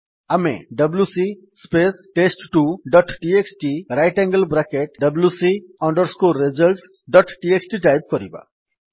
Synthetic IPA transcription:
amḛɖʌblusi | spesʈesʈʈuɖɔʈʈieksʈiɾajʈɛ̃ŋɡəlbɾakeʈɖəblusiɔɳɖɔɾskuɾezəlʈs | ɖɔʈʈieksʈiʈajp̚kɔɾḭba̰

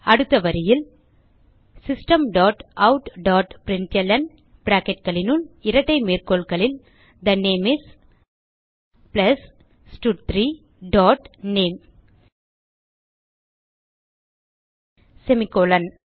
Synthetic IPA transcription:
ɐɽɯt̪ːɐʋɐɾɪjɪl | sɪsʈɐmɖɔːʈʔɐʊʈɖaːʈpɾɪɳʈɛlɐn | bɾaːkɛʈ̚kɐɭɪnɯlɪɾɐʈːɐɪmeːɾkoːɭkɐɭɪl | d̪ɐneːmɪs | plɐs | sʈuʈt̪ɾiː | ɖɔːʈneːm | sɛmɪkːoːlɐn

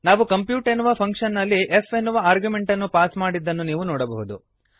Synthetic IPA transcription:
naːʋukɐmpjuːʈenːuʋɐpʰɐŋkʂɐnːɐlːiʔefe̞nːuʋɐaːɾɡjume̞ɳʈɐnːupaːsmaːɽid̪ːɐnːuniːʋunɔːɽɐbɐɦud̪ṵ

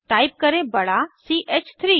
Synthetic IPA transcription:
ʈaːɪp̚kɐɾebɐɽasiːʔeːt͡ʃt̪ʰɾiː

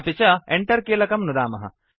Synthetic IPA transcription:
pit͡ʃɐeɳʈɐɾkiɐlɐkɐmnud̪aːmɐɦɐ̰

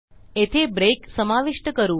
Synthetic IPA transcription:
et̪ʰebɾeksəmaʋiʂʈəkəɾũː

